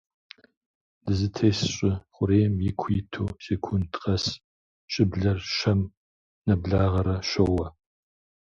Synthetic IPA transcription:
d̥ɨzɨtʰeːsɕʼɪχʷʊɾeːjmjɪkʷʰitʰoːseːkʷʰʊntqʼɐs | ɕʼɪbɮɐrʃɐm | nɐbɮaːʁɐɾɐɕɐwɐ

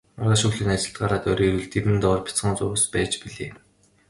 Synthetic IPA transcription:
aʁaːʃɵxɮɘ̆nat͡ɕɪ̆ɬt̪ɢaɾaːt̪œɾiːɾuːɮt̪ʰeɾɘ̆nt̪ɔːrpʲi̥t͡sχəːnt͡sʊ̆ːspæːt͡ɕpiɮeː

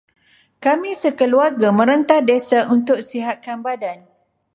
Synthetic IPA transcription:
kamĩsəkəluarɡamə̃ɾənt̪ahdesaʔunt̪ʊk̚siɦat̪̚kanbadan

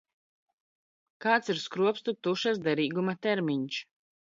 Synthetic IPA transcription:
kaːt̪siɾskɾuɔpst̪ut̪uʃasd̪ɛɾiːɡumat̪ɛɾmiɲs

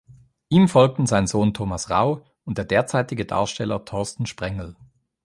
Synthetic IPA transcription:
ʔiːmfɔlk̚tn̩zaɪnzoːntʰoːmasʁa̰ʊ | ʊnt̚d̥eːɐdeːɐt͡saɪtɪɡəda̰ːɐʃtɛlɐtʰɔɐstn̩ʃpʁ̥ɛŋl̩

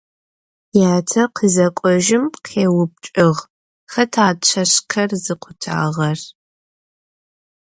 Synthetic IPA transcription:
jaːtʰɐqʰəzɐkʷʼɔʒɪmqʰeːwʊp̚t͡ʃʼɪʁ | xɐtʰaːt͡ʃʷʰɐɕkʰɐrzɨqʷʰʊtʰa̰ːʁɐr

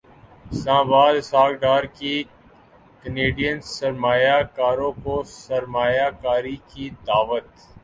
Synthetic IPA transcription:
sãːbaːd̪saːɡɖaːɾkiː | kəneːɖijənsəɾmaːjaːkaːɾõːkoːsəɾmaːjaːkaːɾikiːd̪aːʋət̪

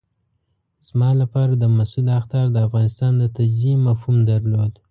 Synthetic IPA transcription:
z̥mɑlapɑɾad̪əmasulaxt̪ɑɾd̪əafɣɑnɪst̪ɑnd̪ət̪ad͡ʒziemafhumd̪aɾlod̪

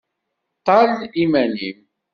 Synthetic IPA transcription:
t̪ːɑlimænim

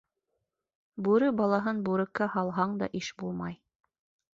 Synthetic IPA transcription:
bʉɾɘbɑlˠɑɦɤnbuɾɘ̆kːæhɑlˠɦɑɴd̪ɑ̰ʔiʃbulˠmɑj

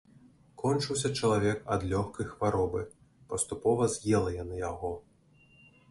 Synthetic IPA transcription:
kɔnt͡ʂɨwsʲɐt͡ʂɐlˠavʲɛkɐd̪lʲɔxkɐjxvaɾɔbɨ | pɐst̪upɔvɐzʲjɛlˠɐjanɨjaɣɔ

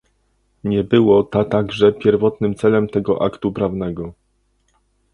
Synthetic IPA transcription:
ɲɛbɘwɔt̪at̪aɡʐɛpʲjɛɾvɔt̪nɘmt̪sɛlɛmt̪ɛɡɔʔa̰kt̪upɾavnɛɡɔ

